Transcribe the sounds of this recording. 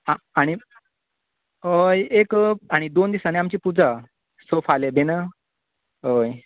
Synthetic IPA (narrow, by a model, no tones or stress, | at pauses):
a | aɽ̃i | ɦəjekaɽ̃id̪ond̪isaneamt͡ɕiːpud͡za | səfalebenə | ɦəj